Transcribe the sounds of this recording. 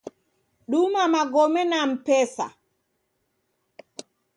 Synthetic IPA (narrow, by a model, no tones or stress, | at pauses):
ɗumamaɡɔmɛnampɛːsa̰